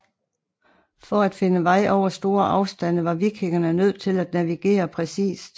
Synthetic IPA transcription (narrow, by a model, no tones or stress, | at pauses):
fɒ̽æd̥fe̝nəʋɑ̈ɪ̰ʔɒʊ̰ɐsd̥o̝ːɐʔɑ̈ʊsd̥æn̰əʋɑ̈ʋiɡʰe̝ŋɐnənøð̞̰ˠt͡sʰe̝læd̥næʋiɡ̥e̝̰ːɐpʰʁɛsḭːsd̥